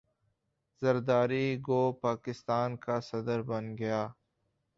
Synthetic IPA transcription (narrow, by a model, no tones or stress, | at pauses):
zɐɾd̪aːɾiɡoːpaːkɪst̪aːnkasɐd̪əɾbɐnɡɐjaː